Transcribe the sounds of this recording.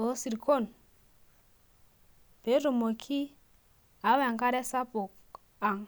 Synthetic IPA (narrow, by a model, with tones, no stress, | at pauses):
o˨˦si˨ɾkʰɔ˦˨n | b̥e˨˦ɾu˨mo˨kʰi˦ | a˨˦wa˨ŋka˦ɾɛ˦sa˦pɔ˨k | a˨ŋ